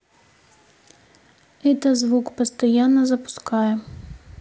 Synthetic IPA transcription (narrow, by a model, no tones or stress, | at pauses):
ɛt̪ɐzʋukpɐst̪ɐjanːɐzɐpʊ̥skɑjɛ